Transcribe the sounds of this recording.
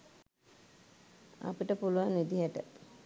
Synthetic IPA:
a̰piʈəpuluʋanʋid̪iɦəʈə

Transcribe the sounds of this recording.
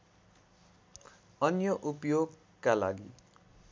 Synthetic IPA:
ʌnjʌʔupjoɡ | kːala̰ɡi

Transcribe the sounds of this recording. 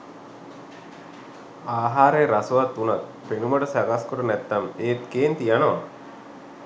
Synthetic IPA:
aːɦaːɾeːɾasuʋɐt̪ːunat̪ | penuməʈəsæɡaskoʈənæt̪ːɐmeːt̪keːnt̪ijanoʋa

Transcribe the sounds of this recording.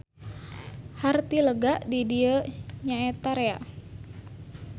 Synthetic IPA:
hart̪iləɡaʔdidiəɲaɛt̪aɾea̰

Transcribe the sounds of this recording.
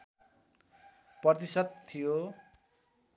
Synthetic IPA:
prʌrt̪isʌd̪̚t̪ʰːijo

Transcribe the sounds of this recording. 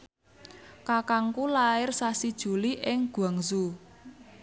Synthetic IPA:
kakaŋkulaɪrsasid̥ʒ̥ṳliʔɪŋɡ̥uwaŋzu

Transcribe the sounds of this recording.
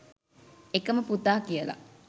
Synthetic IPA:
ekəməput̪aːkijəla̰

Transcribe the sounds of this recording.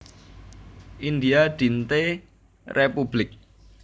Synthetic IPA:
ʔind̪iaɖ̪̥int̪e | rʔepublɪk̚

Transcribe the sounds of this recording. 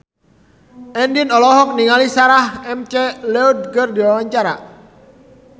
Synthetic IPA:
ʔɛndɪnɔlɔɦɔk̚niŋalisaɾahɛmt͡ʃɛlɛud̚ɡərdiwawaɲt͡ʃaɾa̰

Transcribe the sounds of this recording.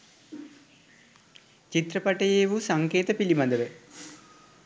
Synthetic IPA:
t͡ʃit̪rəpaʈəjeːʋusaŋkeːt̪əpilimad̪əʋə

